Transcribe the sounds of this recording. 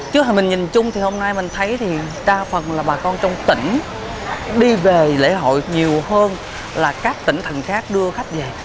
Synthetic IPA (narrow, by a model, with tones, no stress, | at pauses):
t͡ɕɨ˦˥˨mi˨˩ŋ̟ɲi˨˩nt͡ɕʊ˧ŋ͡mt̪ʰi˨˩ho˧mnaː˧jmï˨˩ŋ̟t̪ʰə˨˦jt̪ʰi˨˩ | ɗaː˧fə˨˩nlaː˨˩ɓaː˨˩kɔ˧nt͡ɕɔ˧wŋ͡mt̪ï˧˩ŋ̟ | ɗi˧ve˨˩lḛ˧˥ɦo̰˧˨jɲi˨˩əwhəː˧n | laː˨˩kaː˦˥k̚t̪ï˧˩ŋ̟t̪ʰə˨˩ŋxaː˦˥k̚ɗɨ˧əxa˦˥jk̟̚ve˨˩